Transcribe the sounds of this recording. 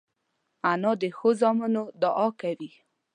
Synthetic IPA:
anɔd̪exozɔmɔnod̪ɔʔɔkawi

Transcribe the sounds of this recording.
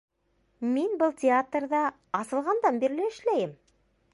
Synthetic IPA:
minbɤlˠtʲɪat̪rd̪ɑ | ɑsɤ̆lˠʁɑnd̪ɑmbiɾlɘɘ̆ʃlæjɘm

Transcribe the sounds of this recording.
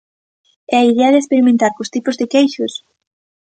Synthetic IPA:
ɛɐiðeɐðespeɾimẽnt̪aɾkost̪ipʊzðɪkejʃʊs

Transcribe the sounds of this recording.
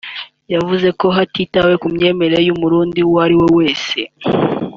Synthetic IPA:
javuze̞ko̞ɦatiːtawe̞kumɲe̞ːme̞ɾe̞jumuɾuːndiwaɾiwewe̞ːse̞

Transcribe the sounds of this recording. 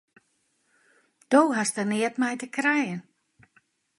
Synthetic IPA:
d̥owɦastənɪətmɛjtəkrɛjən

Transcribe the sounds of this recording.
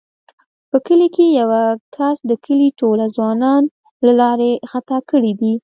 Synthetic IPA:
pəkəlikejawakʰasd̪əkʰəliʈolazwɑnɑn | lalɑɾexat̪akəɽid̪i

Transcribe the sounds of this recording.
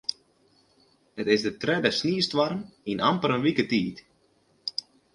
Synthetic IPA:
hətɪsdətrɛdəsniəstʋarminʔampəɾənʋikətiːt

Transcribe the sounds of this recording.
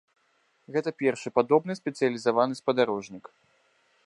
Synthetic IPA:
ɣɛt̪ɐpʲɛrʂɨpad̪ɔbnɨsʲpʲɛt̪sɨjɐlʲizavanɨspɐd̪aɾɔʐnʲik

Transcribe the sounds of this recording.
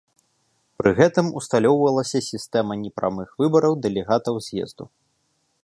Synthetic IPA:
pɾɨɣɛt̪ɨmust̪alʲɔwvɐlˠɐsʲɐsʲist̪ɛmɐnʲɛpɾa̰mɨxvɨbɐɾɐwd̪ɛlʲɛɣat̪ɐwzʲjɛ̰zd̪u

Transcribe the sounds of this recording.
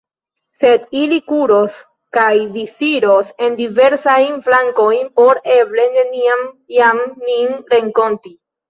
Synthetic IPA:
se̞d̪ilikuɾo̞s | kajdisiɾose̞ndive̞ɾsajnflaŋkojnpo̞ɾe̞ble̞neniamjamninɾe̞ŋko̞nti

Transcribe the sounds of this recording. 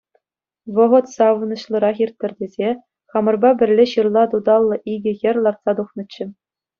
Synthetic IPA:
ʋɤ̆ʁɤ̆t̪sɑʋnɤ̆ɕlˠɤ̆ɾɑχʲirt̪ʲːɘ̆rʲdʲezʲe | χɑmɤ̆rbɑbʲɘ̆rʲlʲeɕɯrlˠɑt̪ud̪ɑlˠːɤ̆ʔiɡʲɘ̆jʲɘ̆rʲlˠɑrt̪sɑt̪uχnɤ̆t͡ɕːɘ̆

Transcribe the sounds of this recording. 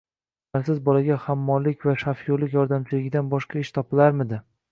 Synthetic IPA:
aɾsɪzbɒlaɡʲahamːɒnlɪkʲvaʃafjolɪkʲjɒɾd̪amt͡ʃʰɪlɪɡʲɪd̪anbɒʃqɑɪʃt̪ʰɒpɪlaɾmɪd̪ɪ

